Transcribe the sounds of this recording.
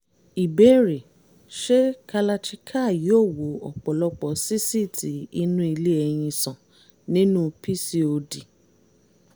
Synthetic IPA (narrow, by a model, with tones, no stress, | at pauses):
i˨be˨˦ɾe˨ | ʃe˦ka˧la˧t͡ʃi˦kʰa˦˨jo˦˨wo˨˦ɔ̰˨k͡pɔ˨lɔ˧k͡pɔ˨si˦si˦˨ti˨˦i˧nũ˦i˧le˦ɛ˧j̃ĩ˧sã˨ | nĩ˦nũ˦pi˦si˦o˧di˨